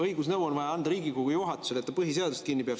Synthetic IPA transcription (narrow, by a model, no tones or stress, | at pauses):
ɤjɡ̥usnɤwonvɑjɑɑnd̪ɑɾiːɡikoɡ̥ujuɦɑt̪ːˑu̥se̞let̪ːɑpɤɦis̬e̞ɑd̪ust̪kinːipeɑ